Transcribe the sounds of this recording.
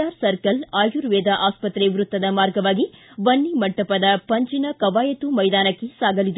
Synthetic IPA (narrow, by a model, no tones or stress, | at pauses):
aːɾsɐɾkɐlaːjuɾʋɛːd̪ɐʔaːspɐt̪ɾeʋɾut̪ːɐd̪ɐmaːɾɡɐʋaːɡiʋɐnːimɐʈːɐpɐd̪ɐpɐɲt͡ʃinɐkɐʋaːjɐt̪umɐjd̪aːnɐkːesaːɡɐlid̪